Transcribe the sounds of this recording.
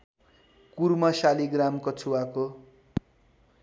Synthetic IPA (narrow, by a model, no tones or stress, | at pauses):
kurmʌsaliɡramkʌt͡sʰuwako